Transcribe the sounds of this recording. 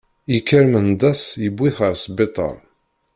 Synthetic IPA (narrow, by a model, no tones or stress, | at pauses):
ikːəɾmənd̪ˤæsjəbʷːiθʁəɾsbet̪ˤə̰ɾˤ